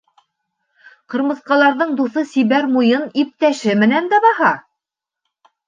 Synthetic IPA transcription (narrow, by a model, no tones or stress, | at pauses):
qɤ̆ɾmɤ̆θqɑlˠɑɾðɤɴd̪uθɤsiβæɾmujɤnip̚t̪æʃɘmɘ̆nænd̪æbɑhɑ